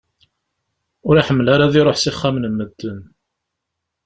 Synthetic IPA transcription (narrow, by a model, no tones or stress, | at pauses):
ʊɾaħəmːəlaɾaðiɾˤoħsiχːamnəmːəd̪ːən